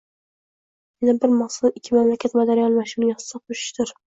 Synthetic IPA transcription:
menabɪɾmɑχsʊɪkʲʰːɪmamlakʲʰat̪mad̪aɾijɒnɪmaʃɪnijɒsɪd̪aqʰoʃɪ̥ʃt̪ɪɾ

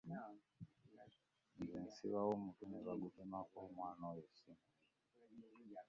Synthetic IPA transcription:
zinsḭβawomutuneβaɡukimakomwanɔjesimu

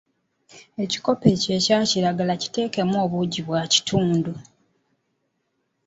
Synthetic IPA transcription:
e̞ci̥ko̞pece̞ːcaːciɾaɡalaci̥te̞ːke̞moːβuɟiβwaːci̥tʰuːndu

